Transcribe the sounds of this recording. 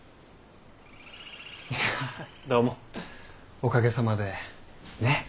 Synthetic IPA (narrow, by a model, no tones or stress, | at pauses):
ja | d̪oːmo | o̞kaɡe̞samad̪e̞ne̞